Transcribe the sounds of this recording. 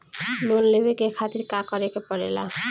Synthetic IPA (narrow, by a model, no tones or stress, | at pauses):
lonlebekekʰat̪iɾkakɔɾekepɔɾḛla̰